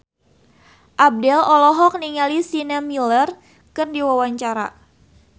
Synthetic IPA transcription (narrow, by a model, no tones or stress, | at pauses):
ʔab̚dɛlɔlɔɦɔk̚niŋalisinamilər | kɨrdiwawaɲt͡ʃaɾa̰